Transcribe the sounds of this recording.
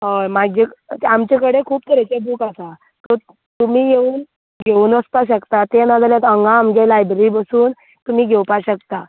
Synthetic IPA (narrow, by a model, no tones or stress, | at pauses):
ɦomaɡd͡ʑek̪amt͡ɕekəɽekʰuːp̚t̪əɾat͡ɕabuːkasa | t̪ɔ | t̪um̤iːjeuːn | ɡʱeuːnʋəst̪aɕəkt̪at̪enad͡z̪aljat̪əŋɡamɡelajbɾibəsuːn | t̪um̤iːɡʱewpaɕək̚t̪a